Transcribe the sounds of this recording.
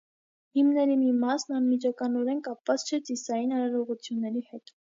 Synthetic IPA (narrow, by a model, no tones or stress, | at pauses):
himnɛɾimimɑsnɑnmit͡ʃʰɑkɑnɔɾɛnkɑpvɑt͡st͡ʃʰɛt͡sisɑjinɑɾɑɾɔʁut͡sʰjunːɛɾihɛt̪